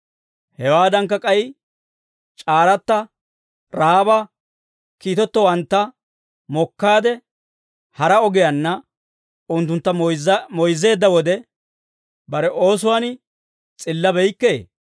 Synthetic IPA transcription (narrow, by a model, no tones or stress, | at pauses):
hɛwaːd̪ɐŋkːɐkʼɐj | t͡ʃʼaːɾɐt̪ːɐ | ɾaːbɐ | kiːt̪ɔt̪ːɔwɐnt̪ːɐ | mɔkːaːd̪ɛ | hɐɾɐɔɡɪjɐnːɐ | ʊnt̪ːʊnt̪ːɐmɔjzːe̞ːd̪ːɐwɔd̪ɛ | bɐɾɛʔo̞ːs̬ʊwaːnɪ | t͡sʼɪlːɐbɛjkːeː